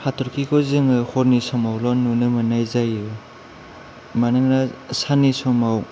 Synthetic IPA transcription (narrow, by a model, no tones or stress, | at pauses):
hatʰɔɾkʰikʰɔzɯŋɯhɔɾnisɔmawlɔnunɯmɯnajzajɯ | manɯŋnasanisɔmaw